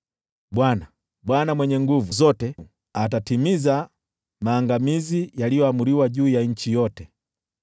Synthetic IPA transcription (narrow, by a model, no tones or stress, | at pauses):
bwana | bwanamwɛɲɛŋɡuvuzɔtɛ | atatimiza | maːŋɡamizijalijɔamuɾiwaʄuːjaɲ̩t͡ʃijɔtɛ